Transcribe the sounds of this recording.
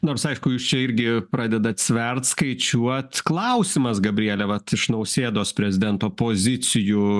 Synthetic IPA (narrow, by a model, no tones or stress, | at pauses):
noːrsɐɪʃkʊjuːst͡ʃʲɛɪɾʲɡʲɪpɾɑːd̪ʲɛd̪ɐt̪ʲsʲʋʲɛrt̪skɐɪt͡ʃʲuɔt̪klˠɐʊsʲɪmɐsɡɐbʲɾʲiɛːlʲɛʋɐt̪ɪʃnɐʊsʲeːd̪oːspʲɾʲɛzʲɪd̪ʲɛnt̪oːpoːzʲɪt͡s̪ʲɪju